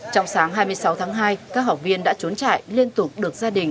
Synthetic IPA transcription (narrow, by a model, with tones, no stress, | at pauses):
t͡ɕɔ˧wŋ͡msaː˨˦ŋɦaː˧jmɨ˧əjsa˨˦wt̪ʰaː˨˦ŋɦaː˧jkaː˦˥k̚ɦa˨˩k͡p̚vi˧ənɗa̰ː˧˥t͡ɕu˨˦nt͡ɕa̰ː˧˨jli˧ənt̪ʊ˨˩k͡p̚ɗɨ˨˩ək̚zaː˧ɗï˨˩ŋ̟